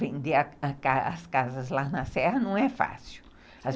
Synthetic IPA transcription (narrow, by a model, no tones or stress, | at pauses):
vẽnd̪eaakaaskazɐzlanɐsɛhɐnɐ̃w̃ɛfa̰siw | a